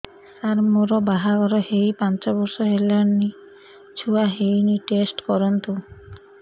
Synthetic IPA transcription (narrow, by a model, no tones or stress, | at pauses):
saɾmoɾɔbaɦaɡɔɾɔɦejpant͡ʃɔbɔɾsɔɦelani | t͡ʃʰuaɦejniʈesʈkɔɾɔnt̪u